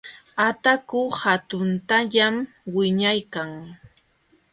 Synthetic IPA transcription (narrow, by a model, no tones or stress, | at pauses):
at̪akʊhat̪ʊnt̪aʎam | wɪɲajkaŋ